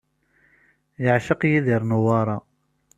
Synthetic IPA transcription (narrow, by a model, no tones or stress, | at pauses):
jəʕʃəqjiðiɾˤnuwɑɾˤɑ